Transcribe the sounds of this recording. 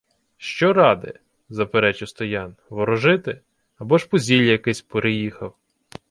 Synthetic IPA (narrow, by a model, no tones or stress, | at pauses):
ʃt͡ʃɔɾɑd̪ɪ̰ | zɐpeɾɛt͡ʃɪwst̪ɔjɑnʋɔɾɔʒɪt̪ɪ | ɐbɔʃpɔzʲilʲjɐkɪsʲpeɾɪjixɐw